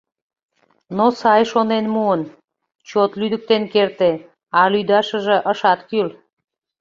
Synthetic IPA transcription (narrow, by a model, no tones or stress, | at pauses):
nosɑjʃonenmuən | t͡ɕot̪lyd̪ək̚t̪enkert̪e | ɑlyd̪ɑʃəʒĕʔəʃɑt̪kyl